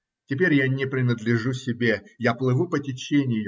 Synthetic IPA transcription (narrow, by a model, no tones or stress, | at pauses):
tʲɪpʲeɾʲjanʲɪpɾʲɪnəd̪lʲɪʐusʲɪbʲejaplˠɨvupətʲɪt͡ɕenʲɪj